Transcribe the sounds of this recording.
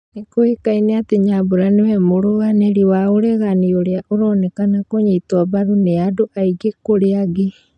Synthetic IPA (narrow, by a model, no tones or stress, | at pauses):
nekoekaineateɲaboɾanewɛmoɾoɣaneɾiwaoɾɛɣanioɾeaʔoɾɔnɛkanakoɲeːtwabaðuneadoʔaiɡekoɾeaɡe